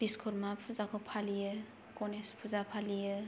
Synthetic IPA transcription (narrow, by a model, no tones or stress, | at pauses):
b̥iskʰuɾmapʰuzakʰɔpʰalijɯ | kɔnespʰuzapʰalijɯ